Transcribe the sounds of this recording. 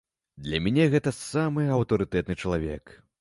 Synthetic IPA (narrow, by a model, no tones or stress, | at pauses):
d̪lʲɐmʲɛnʲɛɣɛt̪ɐsamɨɐwt̪ɐɾɨt̪ɛt̪̚nɨt͡ʂɐlˠavʲɛk